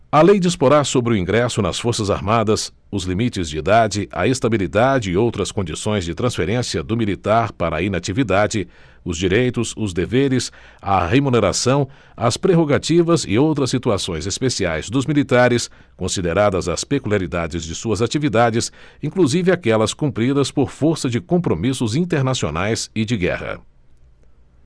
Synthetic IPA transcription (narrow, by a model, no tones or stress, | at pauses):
ɐlejd͡ʒispoɾaɾsobɾɪʊĩɡɾɛsʊnɐsfoɾsɐza̰ɾmad̪ɐs | ʊzlimit͡ʃɪzd͡ʒɪid̪ad͡ʒɪʔɐ̰est̪abilid̪ad͡ʒɪɪowt̪ɾɐskõd͡ʒisõj̃zd͡ʒɪt̪ɾɐ̃sfeɾẽsiɐd̪ʊmilit̪aɾpaɾɐinat͡ʃivid̪ad͡ʒɪ | ʊzd͡ʒiɾejt̪ʊzʊzd̪eveɾɪs | ɐ̰hemuneɾa̰sɐ̃w̃ | ɐspɾeɦoɡat͡ʃivɐzɪ̰owt̪ɾɐsːit̪uasõj̃zespesiajzd̪ʊzmilit̪aɾɪs | kõsid̪eɾad̪ɐzɐspekuliaɾid̪ad͡ʒɪzd͡ʒɪsuɐzat͡ʃivid̪ad͡ʒɪsĩkluzivɪakɛlɐskũmpɾid̪ɐspoɾfoɾsɐd͡ʒɪkõpɾomisʊzĩnt̪eɾnasio̰najzɪd͡ʒɪɡɛ̰hɐ̰